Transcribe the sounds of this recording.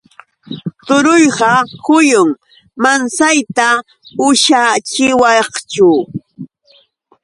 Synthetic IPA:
t̪ʊɾʊjɢɑkʊjʊŋ | mansajt̪a | ʊʃat͡ʃɪwɑχt͡ʃʊ

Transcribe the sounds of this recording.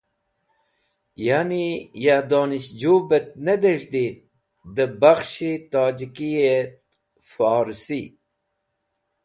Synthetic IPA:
janijad̪oːniɕd͡ʑuːbet̪̚ned̪eʐd̪i | d̪əbaxʃit̪aːd͡ʑikijet̪ | faːɾsi

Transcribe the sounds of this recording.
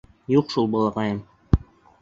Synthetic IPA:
juqʃulˠbɑlˠɤʁɑjɤm

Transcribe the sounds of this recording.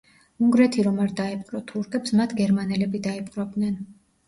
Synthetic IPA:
uŋɡɾɛt̪ʰiɾɔmaɾd̪aɛpʼqʼɾɔt̪ʰuɾkʰɛpsmat̪ʰɡɛɾmanɛlɛbid̪aipʼqʼɾɔb̚d̪nɛn

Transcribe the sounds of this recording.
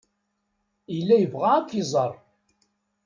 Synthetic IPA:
ilːæjəvʁaːkʷːizˤɑɾˤ

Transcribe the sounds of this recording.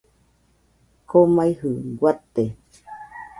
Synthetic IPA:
komaihɨɡwat̪ːe

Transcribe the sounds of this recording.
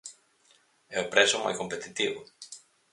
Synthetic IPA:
eopɾesoma̰jkompet̪it̪iβo

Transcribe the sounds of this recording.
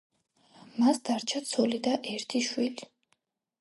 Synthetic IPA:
masd̪̥aɾt͡ʃʰat̪sʰɔlid̪aʔɛɾt̪ʰiʃwili

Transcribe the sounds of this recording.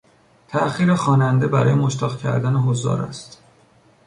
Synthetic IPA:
t̪ʰæʔxiːɾexɒːnænd̪e̞bæɾɒːjemoʃt̪ʰɒːɣcʲʰæ̰ɾd̪æneɦozɒ̰ːɾæ̰st̪

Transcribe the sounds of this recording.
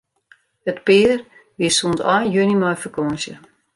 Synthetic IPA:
ətpɪːr | ʋisuntɔjjønimɔjfəkɔənsjə̰

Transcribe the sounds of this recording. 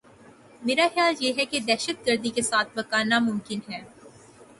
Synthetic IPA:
meːɾaxjaːljeːɦɛked̪ɛːʃət̪̚ɡəɾd̪ikesaːt̪̚ʰbɐkaːnamʊmkɪnɦɛː

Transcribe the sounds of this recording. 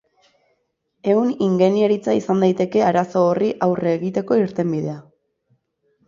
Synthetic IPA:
e̞uniŋɡe̞nieɾit͡saisand̪ajt̪e̞ke̞aɾaso̞ːriʔawreːɣit̪e̞ko̞iɾt̪e̞mbiðe̞a

